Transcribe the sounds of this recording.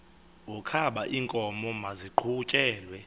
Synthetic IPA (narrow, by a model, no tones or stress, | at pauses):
ukʰaɓaʔiːŋkʼɔmɔmaziǃʰut͡ʃʼɛːlwɛ